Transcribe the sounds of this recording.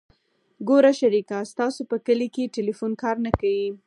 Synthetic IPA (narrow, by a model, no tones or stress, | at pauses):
ɡoɾaʃaɾikast̪ɑsopəkəlikeʈɪlifunkɑɾnakawi